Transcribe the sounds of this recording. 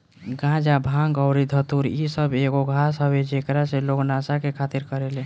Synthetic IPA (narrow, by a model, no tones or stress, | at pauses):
ɡãd͡ʒabʱãŋɡəʊɾid̪ʱət̪uɾisəbeɡoɡʱasɦəbed͡ʒekɾaseloɡnasakekʰat̪iɾkəɾele